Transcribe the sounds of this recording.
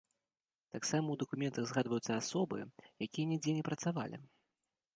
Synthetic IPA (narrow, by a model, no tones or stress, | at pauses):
t̪aksamɐwd̪ɐkumʲɛnt̪ɐɣzɣad̪vɐjut̪sɐasɔbɨ̰jakʲijɐnʲɛd͡zʲɛnʲɛpɾɐt̪sava̰lʲḭ